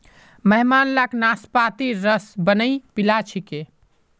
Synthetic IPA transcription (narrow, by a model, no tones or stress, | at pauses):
məɦmanlaknaspat̪iɾəsbənəjpilat͡ʃʰike